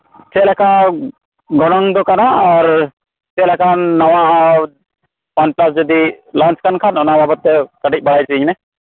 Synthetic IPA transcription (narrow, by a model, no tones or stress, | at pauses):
t͡ʃɛlɛka | ɡɔɽ̃ɔŋd̪ɔkanaɔɾ | sɛlɛkanːɔwã | pant͡ʃplasd͡ʒɔd̪ilant͡ʃkankʰanɔnababət̪ːɛkəʈic̚bɐɽajt͡ʃiiɲnɛ